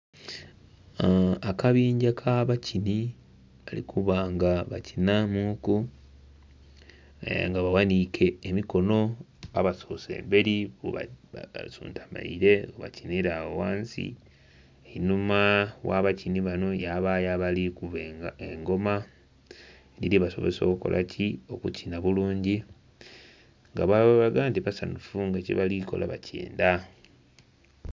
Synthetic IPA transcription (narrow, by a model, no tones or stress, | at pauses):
akaβiːɲɟakʰaβacʰini | βalḭkʰuβaŋɡaβa̰cinamuku | a̰ŋɡaβawanikʰe̞ːmiko̞no̞ | a̰βaso̞ːse̞̰ːmbe̞ɾiβoβa̰sṵːntʰḁma̰iɾe̞oβa̰ciniɾawowaːnsḭ | enumawa̰βaciniβano̞jaβajaβalikuβeŋɡo̞ma | liliβaso̞̰βeso̞ːkuko̞̰lʔa̰cʰio̞kucinaβuluːɲɟi | ŋɡaβaβaβaɡaːntiβasanufuŋɡeciβaliko̞̰lʔa̰βacḛːnda